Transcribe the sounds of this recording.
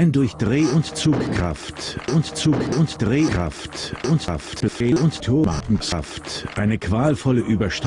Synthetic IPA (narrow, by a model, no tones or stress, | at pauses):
ɪndʊɐçd̥ʁeːʊntt͡suːkkʁ̥a̰ftʔʊntt͡suːkʊntd̥ʁeːʁ̥a̰ftʊnta̰ftb̥əfeːlʊnttʰoːma̰kŋ̩ka̰ftʔaɪnəkv̥aːlfɔləʔyːbɐʃt